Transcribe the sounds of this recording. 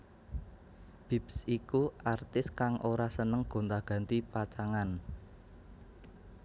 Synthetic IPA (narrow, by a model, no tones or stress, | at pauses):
b̥i̤psikuʔart̪ɪskaŋʔoɾasənəŋɡ̥o̤nt̪aɡ̥ä̤nt̪ipat͡ʃaŋan